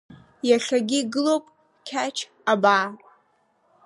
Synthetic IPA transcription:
jaɬaɡʲiːɡɨlowpʼ | kʲʰat͡ʃʰ | abaː

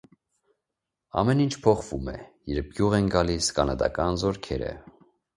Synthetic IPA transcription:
ɑ̰mɛnint͡ʃʰpʰɔχvumɛ̰jɛɾp̚ʰɡjuʁɛnɡɑliskɑnɑd̪ɑ̰kɑnzɔɾkʰɛɾə̰

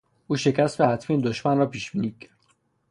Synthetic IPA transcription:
ʔuːʃe̞cʰæst̪behæt̪ʰmiːnd̪oʃmænrɒːpʰiːʃb̥iːniːcʰæ

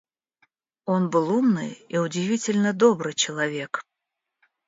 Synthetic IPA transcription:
onbɨlˠumnɨ̰jiʊdʲɪvʲitʲɪlʲnəd̪obɾɨjt͡ɕɪlˠɐvʲe̞k

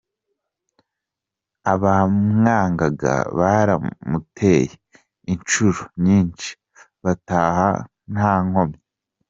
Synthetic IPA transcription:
aβamŋaːŋɡaɡa̰βaɾamutʰe̞ːje | int͡ʃuɾuɲiːnʃi̥ | βataːha̰ | n̥haːŋ̥o̞mɲe

